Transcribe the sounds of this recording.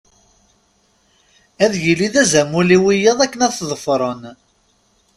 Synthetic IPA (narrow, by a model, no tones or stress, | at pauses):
æðjiliðæzæmuliwijɑðˤækːənæðθðˤəfɾˤən